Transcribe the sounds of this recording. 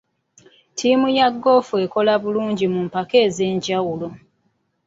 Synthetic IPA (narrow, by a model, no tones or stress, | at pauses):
tʰiːmujaɡːo̞ːfue̞ko̞laβuluːɲɟimumpake̞ːze̞ːɲɟawulo